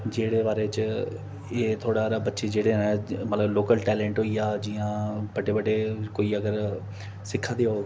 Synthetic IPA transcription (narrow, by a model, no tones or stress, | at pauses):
d͡ʒeːɽeːbaːɾeːt͡ʃ | eːt̪ʰoːɽaːɾaːbətːʃeːd͡ʒeːɽeːɛ̃mət̪ləbloːkəlʈɛːlɛ̃ːɳʈɦoːiːaːd͡ʒiːãːbəɖeːbəɖeːkoːiːəɡəɾ | sɪkʰːaːd̪eːɦoː